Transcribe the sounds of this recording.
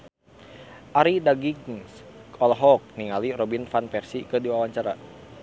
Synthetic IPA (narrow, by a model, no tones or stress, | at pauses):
ʔaɾidaɡiɡŋsɔlɦɔk̚niŋalirɔbinfanpɛrsikɨdiwawaɲt͡ʃaɾa̰